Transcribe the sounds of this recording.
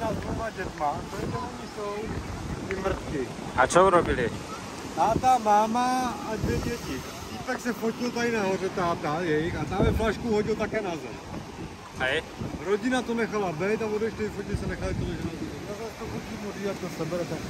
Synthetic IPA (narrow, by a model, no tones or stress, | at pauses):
t̪azumaɟɛt̪mat̪oɛt̪ɛoɲɪsowt̪ɪmɾ̩t̪kɪ | ʔa̰t͡ʃouɾobɪlɪ | t̪aːt̪amaːmaadvɛɟɛcɪ | t̪iːpɛksɛfocɪlt̪aɪnaɦorɛt̪aːt̪ajɛjxat̪amɛflaʃkuwɦoɟɪlt̪akɛːnazɛ̰f | ɛj | ɾoɟɪnat̪onɛxalabɛjt̪avodɛʃtɛɪfocɪlsɛnɛxalɪt̪ilɛʒɛnoziɛt̪nazɛlst̪ofocimodliːvat̪̚dosɛbɛɾat̪ak